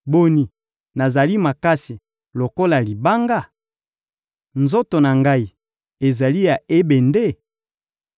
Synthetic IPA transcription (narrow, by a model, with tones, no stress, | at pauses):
bo˨ni˨ | na˨za˨li˦ma˨ka˦si˨ | lo˨ko˦la˨li˨ba˦ŋɡa˦˨ | nzo˦to˨na˨ŋɡa˦i˨ | e˨za˨li˦ja˨e˦be˨nde˦˨